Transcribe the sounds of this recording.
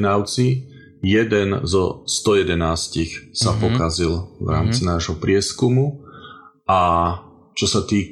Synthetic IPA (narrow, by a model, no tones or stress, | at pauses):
naʊt͡si | jɛd̪ɛnzɔst̪ɔjɛd̪ɛnaːscixsapɔkazilvɾa̰ːmt͡sinaːʒɦɔpɾɪɛskumu | ʔa | t͡ʃɔsat̪iː